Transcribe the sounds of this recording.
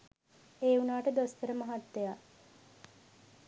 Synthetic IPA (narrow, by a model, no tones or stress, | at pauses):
eːunaːʈəd̪osk̪əɾəmɐɦat̪ːeja